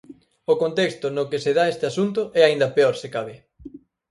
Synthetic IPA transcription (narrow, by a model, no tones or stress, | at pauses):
okont̪ɛkst̪ʊnʊkɪseðaest̪ɪasunt̪ʊʔɛaind̪ɐpeoɾsekaβɪ